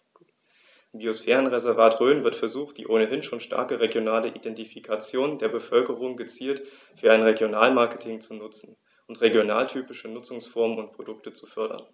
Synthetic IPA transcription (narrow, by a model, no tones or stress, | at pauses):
mbiosfɛːʁ̞ənʁezɛɐvaːtʁøːnvɪɐtfɛɐzuːχt̚d̥ḭːʔoːnəɦɪnʃoːnʃtʰa̰ɐkəʁeɡjonaːləʔidɛntifikʰat͡sjoːndeːɐbəfœlkəʁʊŋɡət͡siːlt | fyːɐʔaɪnʁeɡjonaːlmaɐkətʰɪŋt͡sunʊt͡sn̩ | ʔʊntʁeɡjona̰ːltʰyːpɪʃənʊt͡sʊŋsfɔɐmənʊnt̚pʁ̥odʊk̚tət͡su̥fœɐɾɐ̰n